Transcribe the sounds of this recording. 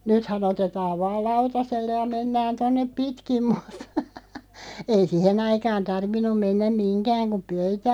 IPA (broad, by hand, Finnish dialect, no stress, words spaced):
nythæn otetɑːʋ ʋɑːl lɑutɑselːe jɑ menːæːn tonːep pitkim mutːɑ̥ ei sihen ɑikɑːn tɑrʋinˑum menːæm minkæːŋ kum̆ pøytæ